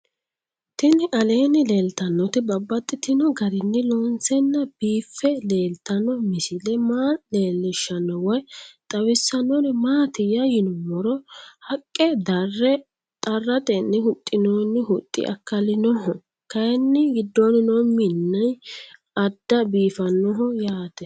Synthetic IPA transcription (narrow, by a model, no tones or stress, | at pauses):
t̪ɪnɪʔɐleːnɪleːlt̪ɐnːɔt̪ɪbɐbːɐt̪ʼːɪt̪ɪnɔɡɐɾɪnːɪloːnsɛnːɐb̥iːfːɛle̞ːlt̪ɐnɔmɪsɪlɛmaːle̞ːlːɪʃːɐnːɔwɐjt̪ʼɐwɪsːɐnɔnmaːt̪ɪjɐjɪnɔmɔɾɔhɐkʼːɛd̪ɐrːɛ | t̪ʼɐrːɐt̪ɛnːɪhʊt̪ʼːɪnoːnːɪɦʊt̪ʼːɪ̰ʔɐ̰kːɐlɪnɔhɔ | kɐjɛnːɪɡɪd̪ːoːnɪnoːmɪnːɐj | ɐd̪ːɐbiːfɐnːɔɦɔjaːt̪ɛ